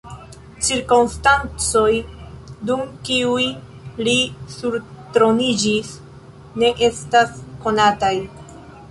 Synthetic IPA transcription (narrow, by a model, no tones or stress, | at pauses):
t͡ʃiɾkomstant͡so̞jdumkiuj | lisuɾtɾo̞nid͡ʒis | ne̞ʔe̞stasko̞nataj